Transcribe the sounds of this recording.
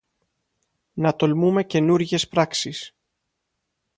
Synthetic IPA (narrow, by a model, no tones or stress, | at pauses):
nɐt̪o̞lmume̞ce̞nuɾʝe̞spɾɐksis